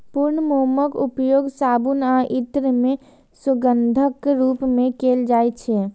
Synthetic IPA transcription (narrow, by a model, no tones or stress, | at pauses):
pʊɾnəmuməkupjoːɡsaːbunaʔit̪ɾəmẽ | sʊɡənd̪ʱəkɾuːpmẽkeːld͡ʒaːjt͡ʃʰɛ